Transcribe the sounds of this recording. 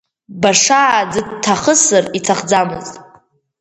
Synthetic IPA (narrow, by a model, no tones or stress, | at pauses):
baʂaːd͡zɨtʰːaχəsɨritʰaχd͡zamɨztʼ